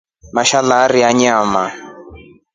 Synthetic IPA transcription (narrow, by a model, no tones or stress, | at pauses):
maʃalaɾiaɲama